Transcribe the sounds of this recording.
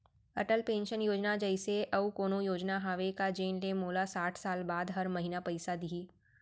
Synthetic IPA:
ɐʈəlpẽːnʃənjoːd͡ʒnad͡ʒɐɪseʔɐukoːnõjoːd͡ʒnaɦaːʋekad͡ʒeːnlemoːlasaːʈʰsaːlbaːd̪ɦɐɾmɐɦinapɐɪsad̪iiː

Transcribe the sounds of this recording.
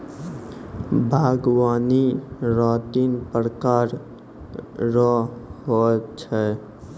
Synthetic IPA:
bʱaɡwaːniɾaːt̪inpɾkaːɾ | ɾɔɦot͡ʃʰɛ

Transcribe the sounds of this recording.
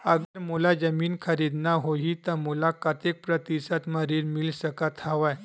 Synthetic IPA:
əɡəɾmulad͡zəmiːnkʰəɾid̪naɦoɦit̪əmulakət̪jek̚pɾət̪isat̪məɾiːɾmilsəkat̪haʋaj

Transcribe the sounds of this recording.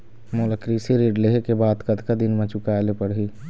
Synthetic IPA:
moləkɾisiɾeːɖleɦekebaːd̪kəd̪kad̪ɪnmẽt͡ʃʊkalepəɽɦiː

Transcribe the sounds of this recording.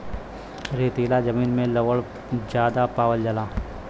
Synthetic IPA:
ɾeːt̪eːlad͡ʒəmiːnmẽlɐʋəɭ | d͡ʒjaːd̪apaːwəld͡ʒɐlaː

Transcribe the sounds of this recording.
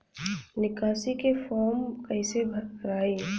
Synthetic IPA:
nɪkaːsikefʰɔːɾmkɐɪsebʱɾaːe

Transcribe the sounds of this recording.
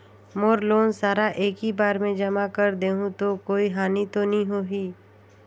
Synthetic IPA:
moːɾloːnsaːɾaʔeːkɦibaːɾmẽd͡ʒɐmakəɾd̪eːɦũt̪okoːiɦaːnit̪onɐɦĩɦoːɦiː

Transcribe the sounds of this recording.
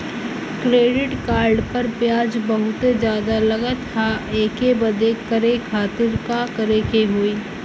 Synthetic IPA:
kɾeːɖɪʈkaːɾɖpɐɾpjaːd͡ʒbɐɦʊt̪ed͡ʒjaːd̪alɐɡət̪ʰːaeːkebɐd̪ekɐɾekʰaːt̪ɪɾkakɐɾeːkeɦoiː

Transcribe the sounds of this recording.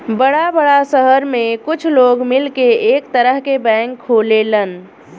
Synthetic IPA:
bəɽabəɽasəɦəɾmekʊt͡ʃʰloɡmilkeekt̪əɾəɦkebɛ̃ŋkʰːolelən

